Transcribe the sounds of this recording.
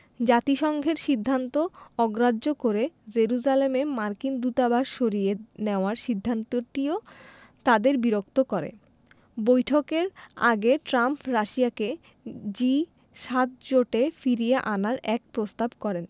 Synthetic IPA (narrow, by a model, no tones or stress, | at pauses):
d͡ʑat̪iʃɔŋɡʱeɾʃid̪ʱːant̪oɔɡɾadʑokoɾed͡ʑeɾud͡ʑalememaɾkind̪ut̪abaʃʃoɾijeneoaɾʃid̪ʱːant̪oʈio | t̪ad̪eɾbiɾok̚t̪okɔɾḛ | bojʈʰokeɾa̰ɡeʈɾampɾaʃiake | d͡ʑi | ʃat̪̚d͡ʑoʈefiɾijeʔanaɾɛk̚pɾost̪abkɔɾen